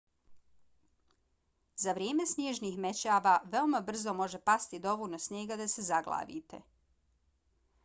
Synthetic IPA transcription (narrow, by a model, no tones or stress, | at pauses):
zaʋɾjeːme̞snjeːʒnixme̞t͡ɕaːʋaːʋe̞omabr̩zo̞mo̞ʒe̞past̪id̪o̞ʋunasnjeːɡad̪ase̞zaɡla̰ːʋḭːt̪ḛ